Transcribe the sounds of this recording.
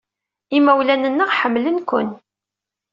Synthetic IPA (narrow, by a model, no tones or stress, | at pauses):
imæwlænənːəʁħəmːlənkʷʊ̰n